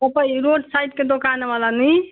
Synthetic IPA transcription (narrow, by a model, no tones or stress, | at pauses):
əpəiɾoɖsajʈ̚ked̪okaneʋalani